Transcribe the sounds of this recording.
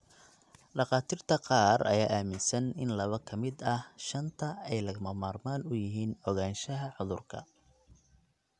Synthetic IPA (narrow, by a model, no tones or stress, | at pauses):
ɖɑqɑːt̪ʰiːrt̪ʰɐqɑːrɐ̰jaːʔaːmɪnsɐnɪnlɐβɐkʰɐmɪd̪ɐhʃɐnt̪ʰɐɛjlɐɣmɐmaːrmaːnʊjɪɦiːnɔɣaːnʃɐɦɐħʊðʊrkʰɐ̰